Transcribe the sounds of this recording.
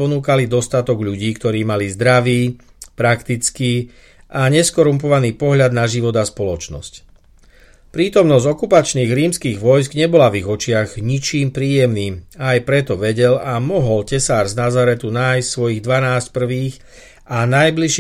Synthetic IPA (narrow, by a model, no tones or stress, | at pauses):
ɔnuːkalid̪ɔst̪at̪ɔɡʎuɟiːkt̪ɔɾiːmalizd̪ɾaʋiː | pɾakt̪it͡skiː | ʔaɲɛskɔɾumpɔʋaniːpɔɦʎad̪naʒiʋɔd̪aspɔlɔt͡ʃnɔ̰sc | pɾiːt̪ɔmnɔzɟɔkupat͡ʃniːɣɾiːmskiːɣʋɔjs̬ɡɲɛbɔlaviɣɔt͡ʃɪaɣɲit͡ʃiːmpɾiːjɛmniːmajpɾɛt̪ɔʋɛɟɛlamɔɦɔlcɛsaːɾznazaɾɛt̪unaːjssʋɔjiːɣd̪ʋanaːsc̚pr̩ʋiːx | anajbliʃ